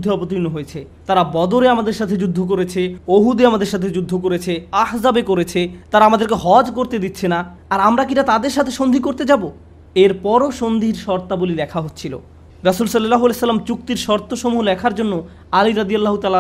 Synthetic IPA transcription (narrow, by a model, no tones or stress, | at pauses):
d̪ʱiɔpot̪̬inːoɦojet͡ɕʰet̪aɾabɔd̪oɾeamad̪eɾʃat̪ʰed͡ʑud̪ʱːok̬oɾet͡ɕʰeoɦud̪eamad̪eɾʃat̪ʰed͡ʑud̪ʱːokoɾet͡ɕʰeahzabekoɾet͡ɕʰet̪aɾaamad̪eɾkeɦɔd͡ʑkoɾt̪ed̪it̪ːɕʰena | aɾamɾakiʈat̪ad̪eɾʃat̪ʰeʃond̪ʱikoɾt̪ed͡ʑabo | eɾpɔɾoʃond̪ʱiɾʃɔɾt̪abolilɛkʰaɦot̪ːɕʰilo̰ | ɾɐsulsolːlaɦoalesɐlːamt͡ɕuk̚t̪iɾʃɔɾt̪ʰoʃomuɦlɛkʰaɾd͡ʑonːo | aliɾad̪ialːaɦut̪ala